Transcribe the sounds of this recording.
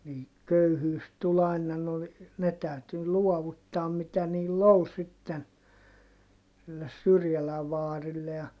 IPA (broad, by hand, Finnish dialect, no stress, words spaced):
niː køyhyːs tul ɑˑinɑ no ne tæˑyty luɔʋutːɑːm mitæ niːlː ol sitːen silːes syrjælæʋ ʋɑːrilːe jɑ